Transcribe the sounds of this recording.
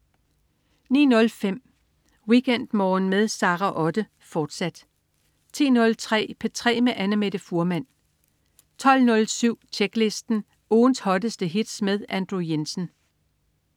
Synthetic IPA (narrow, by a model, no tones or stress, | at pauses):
nḭːnɔ̽lfem̰ | wiɡ̥en̰d̥mɒːn̩meðˠsɑ̈ːʁɑʔɒ̽d̥ə | fɒːd̥sæd̥ | t͡sʰḭːnɔ̽lt͡sʰʁɛ̰ːpʰet͡sʰʁɛ̰ːmeʔænəmed̥əfuɐmæn̰ | t͡sʰɒ̽l̰nɔ̽lsyʊ̰t͡ɕʰeɡ̥le̝sd̥n̩ | ʔoːnshɒ̽d̥əsd̥əɦid̥smeð̞ˠænd̥ʁujensn̩